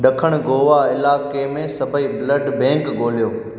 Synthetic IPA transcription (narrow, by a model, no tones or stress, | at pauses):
ɗɐkʰəɽ̃ɡoːʋaɪlaːkemẽsɐbʱəibləɖbɛ̃ːŋkɡoːlijoː